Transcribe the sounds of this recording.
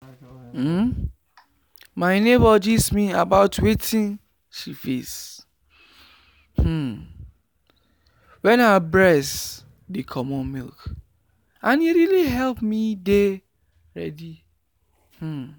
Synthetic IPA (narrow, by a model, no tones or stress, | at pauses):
maɪnebɔd͡ʒismĩabaʊtwetʰĩn | ʃifḛs | h̩ | wɛ̃nabɹɛs | dekʰɔmɔ̃nmilk | ãniɾiliɦɛlpmide | ɹɛ̰di | h̩